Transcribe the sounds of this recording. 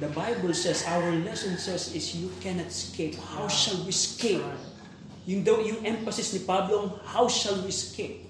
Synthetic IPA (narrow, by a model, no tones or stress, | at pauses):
d̪ɐbajbəlsɛsawəɹlɛsɔ̃nsɛsɪsjukɛnɐt̪skʰep̚hawʃalwiskep | jʊŋd̪ojʊŋʔɛ̃ɱfɐsɪsnipablõŋhawʃalwiskʰep̚